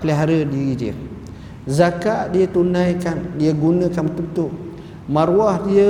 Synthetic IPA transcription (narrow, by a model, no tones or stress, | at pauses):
pəliɦaɾədiɾidiə̰ | zakaʔdiət̪unajkandiəɡunəkanmt̪ut̪uʔ | maɾuahdiə